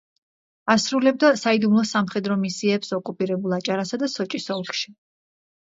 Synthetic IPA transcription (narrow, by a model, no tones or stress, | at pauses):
asɾulɛb̚d̪asaid̪umlˠɔsamχɛd̪ɾɔmisiɛpsɔkʼupʼiɾɛbulˠat͡ʃʼaɾasad̪asɔt͡ʃʼisɔlˠχʃi̥